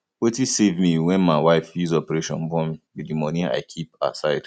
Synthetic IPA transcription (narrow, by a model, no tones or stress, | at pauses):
wetisevmiwɛ̃nmaɪwaɪfjuzɔpəɹeʃɔ̰̃nbɔ̃mwidimɔnia̰ɪkʰipa̰tsaɪd̥